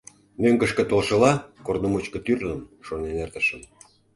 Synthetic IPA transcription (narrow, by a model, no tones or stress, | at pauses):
møŋkə̆ʃkə̆t̪olʃə̆lɑkornomot͡ɕkə̆t̪yrnəmʃonenert̪əʃəm